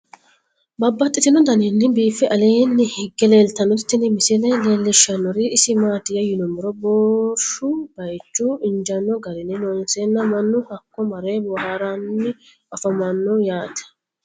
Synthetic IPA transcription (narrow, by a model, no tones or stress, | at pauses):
bɐbːɐt̪ʼːɪt̪ɪnɔd̪ɐninːɪbiːfːɛʔɐleːnːɪhɪɡːɛleːlt̪ɐnːɔt̪ːɪnɪmɪsɪlɛleːlːɪʃːɐnːɔɾiɪsɪmaːt̪ɪjɐjɪnɔmɪɾɔboːʃʊb̥ɐjt͡ʃːuːɪnd͡ʒɐnːɔɡɐɾɪnɪnoːnseːnːɐmɐnːʊhɐkːɔmɐɾeːbʊhaːɾanːɪ | ɔfɐmɐnːʊjaːt̪ɐ̥